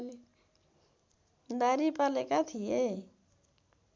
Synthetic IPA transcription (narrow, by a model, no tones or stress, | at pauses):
d̪aːɾipaːlekat̪ʰije